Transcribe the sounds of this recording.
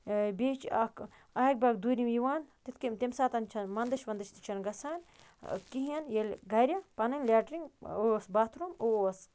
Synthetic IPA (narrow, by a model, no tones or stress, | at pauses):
beːt͡ʃɐk | ɐɦɐk̚baɡd̪uːɾʲimjiʋaːnt̪it̪ʰkit̪emsaːt̪ɐnt͡ʃʰɐnmɐnd̪ɐʃʋɐnd̪ɐʃt̪i̥t͡ʃʰɐnɡɐsʰaːn | kiɦɐnjelʲɡɐɾʲɐpɐnɐnʲlʲaːʈɾiŋosbaːt̪ʰɾoːmos